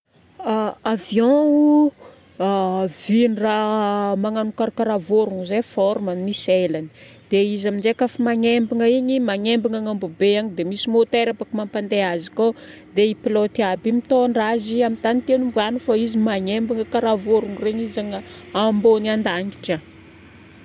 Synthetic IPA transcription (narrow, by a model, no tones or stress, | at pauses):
aavjɔ̃u | avinramaŋanukaɾkaɾavoɾuŋzefɔɾmanimiselani̥d̪̥eizaminzekafimaɲembiŋəiɲimaŋembiŋaŋambubeaɲid̪emisimot̪eɾapakimampand̪eaziko | d̪eipilot̪iabimit̪oɳraziamit̪anit̪ewnumbanufaizimaɲembiŋəkaɾavoɾuŋreɲizaŋə | ambonand̪aŋɡi̥ʈ͡ʂə